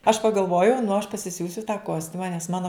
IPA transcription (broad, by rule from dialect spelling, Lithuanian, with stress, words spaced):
ɐʃ pɐɡɐlˠˈʋoːjɛʊ nʊ ɐʃ pɐsʲɪˈsʲuːsʲʊ tɑː ˈkoːsʲtʲʊmɐ nʲɛs ˈmɑːnoː